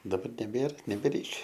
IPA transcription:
dɐˈbɐr nʲɛˈbʲeːr nʲɛbʲɛˈrʲɛɪkʲɛ

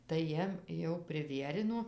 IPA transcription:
tɐɪ ˈjiɛm jɛʊ pʲrʲɪˈʋʲiɛrʲɪnoː

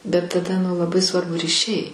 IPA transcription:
bʲɛt tɐˈdɐ nʊ lˠɐˈbɐɪ ˈsʋɐrbʊ rʲiːˈʃʲɛɪ

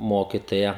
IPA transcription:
ˈmoːkʲɪtoːjɛ

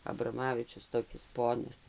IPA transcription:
ɐbrɐˈmɑːʋʲɪt͡ʃʲʊs toːˈkʲɪs ˈpoːnɐs

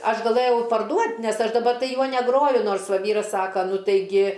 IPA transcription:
ˈɐʃ ɡɐˈlˠɘjɛʊ pɐrˈduɔtʲ ˈnʲɛs ˈɐʃ dɐˈbɐ ˈjuɔ nʲɛˈɡroːjʊ ˈnoːrs ˈʋɐ ˈʋʲiːrɐs ˈsɑːkɐ ˈnʊ tɐɪˈɡʲɪ

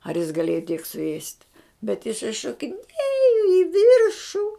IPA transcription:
ɐr jɪs ɡɐˈlʲeːjoː tʲiɛk sʊˈeːsʲtʲ bʲɛt ɪˈsɐɪ ʃoːkʲɪˈnʲeːjoː ɪ ˈʋʲiːrʃʊ

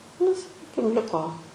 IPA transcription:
nʊ sɐˈkʲiːkʲɪm ˈlʲɪkoː

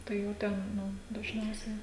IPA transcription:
tɐɪ jɛʊ ˈtʲɛn ˈnʊ dɐʒʲˈnʲɛʊsʲɛɪ

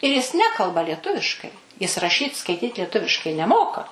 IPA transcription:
ɪr jɪs ˈnʲæːkɐlˠbɐ lʲiɛˈtʊʋʲɪʃkɐɪ ˈjɪs rɐˈʃʲiːt skɐɪˈtʲiːt lʲiɛˈtʊʋʲɪʃkɐɪ nʲɛˈmoːkɐ

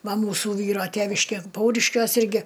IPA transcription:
ˈʋɐ ˈmuːsʊ ˈʋʲiːroː ˈtʲeːʋʲɪʃʲkʲeː ˈpɐʊrʲɪʃʲkʲuɔs ˈɪrʲɡʲɪ

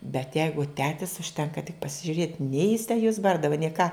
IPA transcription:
bʲɛt ˈjɛɪɡʊ ˈtʲæːtʲɪs ʊʃʲˈtʲɛŋkɐ tʲɪk pɐsʲɪʒʲʊˈrʲeːtʲ nʲɛɪ jɪs tʲæː juɔs ˈbɐrdɐʋɐ nʲɛɪ kɑː

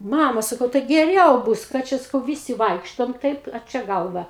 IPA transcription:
ˈmɑːmɐ sɐˈkɐʊ tɐɪ ɡʲɛˈrʲɛʊ ˈbʊs ˈkɑː t͡ʃʲɛ sɐˈkɐʊ ˈʋʲɪsʲɪ ˈʋɐɪkʃtoːm ˈtɐɪp ɐ ˈt͡ʃʲɛ ˈɡɐlˠʋɐ

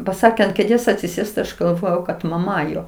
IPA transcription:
pɐˈsɑːkʲeː ɐnt kʲeːˈdʲeːs ɐtʲsʲɪˈsʲeːst tɐɪ ˈɐʃ ɡɐlˠˈʋoːjɛʊ kɐt mɐˈmɐ ˈjoː

